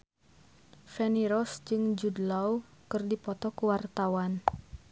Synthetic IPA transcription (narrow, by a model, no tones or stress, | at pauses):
fɛniɾɔsd͡ʒɨŋd͡ʒudlawkɨrdipɔt̪ɔkuwart̪awan